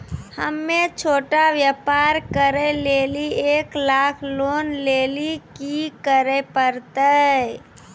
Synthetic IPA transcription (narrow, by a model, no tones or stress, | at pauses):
həmːet͡ʃʰoʈaʋjəpaɾkəɾəlelieklakʰlonlelikikəɾəpəɾt̪ə